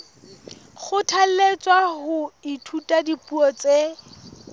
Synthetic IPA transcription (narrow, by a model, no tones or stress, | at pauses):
χʊtʰal̩let͡sʼwaɦʊitʰutʼadipʼuɔt͡se